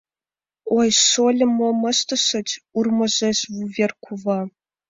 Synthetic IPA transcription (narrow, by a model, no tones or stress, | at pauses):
ojʂolʲɘ̆momə̆ʃt̪ɤ̆ʃɘ̆t͡ɕurmɤ̆ʑeɕvuvʲerkʰuvɑ